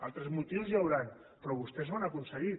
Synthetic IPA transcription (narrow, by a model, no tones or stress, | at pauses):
a̰lˠt̪ɾezmut̪iwzjawɾan | pɾɔβust̪ɛzβanakunsəɣi